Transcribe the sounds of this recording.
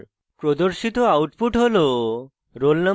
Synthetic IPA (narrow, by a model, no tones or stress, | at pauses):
pɾod̪oɾʃit̪oawʈpuʈɦolo | ɾolna